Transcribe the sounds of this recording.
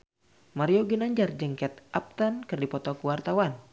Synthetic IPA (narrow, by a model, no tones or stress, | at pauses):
maɾioɡinaɲd͡ʒard͡ʒəŋkɛt̪ʔap̚t̪ankɨrdipɔt̪ɔkuwart̪awan